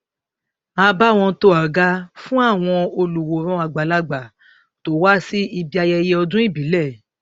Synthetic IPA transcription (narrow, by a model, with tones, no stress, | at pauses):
a˧ba˦˨w̃ɔ̃˧to˧˦a˨ɡa˦fũ˦a˦˨w̃ɔ̃˧o˧lu˨wo˨˦ɾ̃ɔ̃˦a˧ɡ͡ba˨la˦ɡ͡ba˨ | to˨˦wa˦si˦i˧bi˦˧a˧jɛ˧jɛ˧ɔ˧dũ˦i˦˨bi˨˦lɛ˦˨